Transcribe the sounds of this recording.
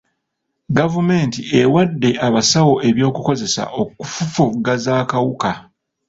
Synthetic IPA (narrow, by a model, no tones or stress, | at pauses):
ɡavume̞ːntie̞wadːe̞ʔaβasawo̞e̞βjo̞ːkuko̞ze̞sa̰ʔo̞kːufufuɡazaːkawuka